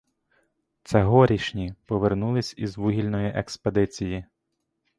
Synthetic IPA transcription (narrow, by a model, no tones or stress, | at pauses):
t̪sɛɦɔɾʲiʃnʲipɔʋernulˠɪsʲizʋuɦʲilʲnɔjiʔeksped̪ɪt͡sʲiji